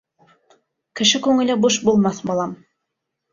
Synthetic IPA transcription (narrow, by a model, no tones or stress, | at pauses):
kɘ̆ʃɘkʉŋɘ̆lɘbuʃbulˠmɑθbɑlˠɑm